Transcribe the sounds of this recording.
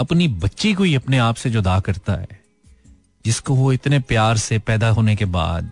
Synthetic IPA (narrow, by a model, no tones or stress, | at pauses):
ɐpnibɐtːʃikoiɐpneaːpsed͡ʒoːd̪aːkɐɾt̪a̰ɦɛ̰ː | d͡ʒɪskoʋoɪt̪nepjaːɾsepɛːd̪aɦoːnekeba̰ːd̪